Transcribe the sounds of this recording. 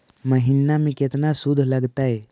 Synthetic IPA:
məɦinːamiket̪nasud̪ʱləɡt̪ae

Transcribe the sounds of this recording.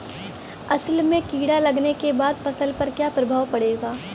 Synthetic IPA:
ɐslmẽkiːɽalɐɡnekebaːd̪fɐsəlpɐɾkjaːpɾɐbʱaːwpɐɽeːɡaː

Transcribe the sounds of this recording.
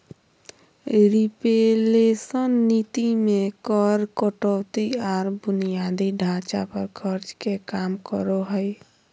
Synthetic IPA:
ɾipelesənːit̪imekɔɾkəʈɔt̪iaɾbunijad̪iɖʱãt͡ʃapəɾkʰəɾt͡ʃkekamkəɾoɦəj

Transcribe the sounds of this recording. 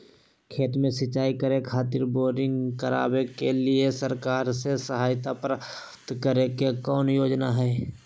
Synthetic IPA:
kʰeːt̪mẽsɪt͡ʃaːikəɾekʰaːt̪ɪɾboːɾɪ̃ŋɡkəɾa̰ːbekelɪesəɾkaːɾsesəɦaːjt̪apɾa | t̪kəɾekekɔːnjoːd͡ʒnaɦɛː

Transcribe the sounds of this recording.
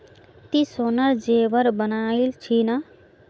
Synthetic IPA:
t̪isonʌɾd͡ʒeʋəɾbənailt͡ʃʰinʌ

